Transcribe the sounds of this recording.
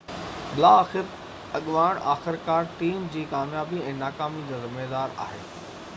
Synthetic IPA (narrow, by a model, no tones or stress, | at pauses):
bɪlaːxɪɾ | ɐɠʋaːɽ̃a̰ːxɪɾkaːɾʈiːmd͡ʑiːkaːmjaːbiɛ̃ːnaːkaːmid͡ʑaːzɪmeːd̪aːɾa̰ːɦḛː